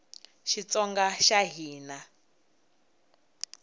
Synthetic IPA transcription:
ʃit͡sɔŋɡaʃaɦiːna

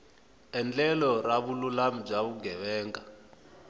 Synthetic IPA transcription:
ɛnd͡ɮɛlɔraβululam̩b͡ʐaβuɡʱɛβɛːŋɡa

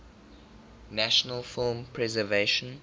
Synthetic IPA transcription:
næʃənəlˠfɪlmpʰɹɛzəveʃə̃n

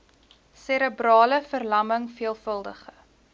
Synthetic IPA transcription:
seɾəbrɑːləfərlɐməŋfiəlˠfəlˠdəχə

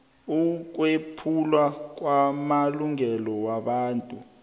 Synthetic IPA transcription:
uk̬wepʰulwak̬wamaluŋɛlɔwaɓaːntʼu

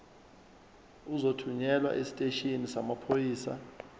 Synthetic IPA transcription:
uzotʰuɲɛlwa̰ʔesi̥tʼeʃʼinisamapʰojiːsa̰

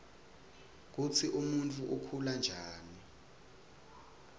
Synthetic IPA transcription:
k̬ut͡sʰiʔumuntʰʼuʔukʰuland͡ʒʱaːni

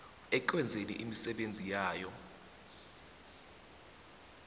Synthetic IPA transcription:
ɛǃwɛnd͡zʱenḭʔimisɛɓend͡zʱijaːjɔ

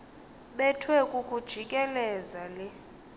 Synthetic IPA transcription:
ɓɛtʰwɛkʼukʼud̥ʒ̥ʱikʼɛlɛzalɛ

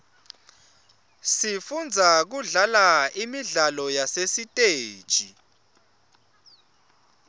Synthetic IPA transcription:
sifund͡zʱak̬uɮalaimiɮalɔjasesitʼeːd̥ʒ̥ʱḭ

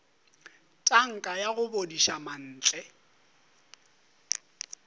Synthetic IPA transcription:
tʼaŋ̩kʼajaɣʊbodiʃaman̩ːt͡ɬʼɛ

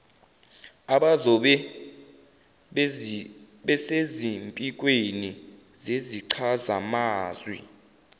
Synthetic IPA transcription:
aɓazɔɓɛ | ɓɛsezimpʼik̬ʼweni | zeziǀʰazamaːzwḭ

